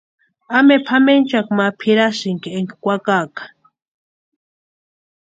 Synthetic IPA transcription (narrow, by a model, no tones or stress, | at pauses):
amepʰament͡ʃakmapʰiɾaʃɪŋkieŋkikʷakakḁ